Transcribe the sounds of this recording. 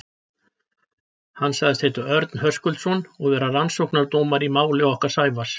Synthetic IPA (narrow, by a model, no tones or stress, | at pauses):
hanːsaɣðɪst̪heːt̪ʏɾœɾt̪nhœskʏlt̪sɔnɔɣvɛːɾaransowknaɾt̪oːmaɾimaːwlɪɔhkḁsaːjvas